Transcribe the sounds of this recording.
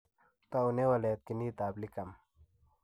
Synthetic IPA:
t̪aunewɐlet̪̚kiniːt̪aːblikɐm

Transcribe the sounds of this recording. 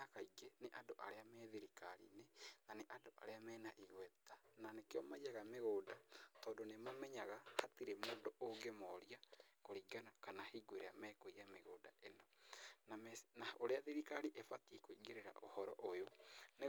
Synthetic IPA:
akaiɡeneʔadoʔaɾeamɛðeɾikaɾḭnenaneʔadoʔa̰ɾeamɛːnaʔiɣwɛtananekeɔmaijaɣameɣoːdatɔːndonemamɛɲaɣahatiɾemoːndoʔoŋɡemɔɾiakoɾiːɡanakanahiːɡweɾeamɛkoijameɣoːda̰ʔenɔnamnaoɾeaðeɾikaɾiʔefatiekoiɡeɾeɾa̰ʔo̰hɔɾɔ̰ʔojone

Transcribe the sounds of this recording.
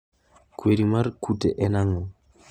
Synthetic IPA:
kweɾimaɾkʰutɛʔɛnaŋɔ

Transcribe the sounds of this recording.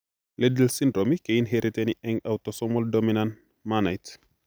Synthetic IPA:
ledəlsindɾomikejinɦeɾiteniʔɛŋawtɔsɔmɔldominan | manajt

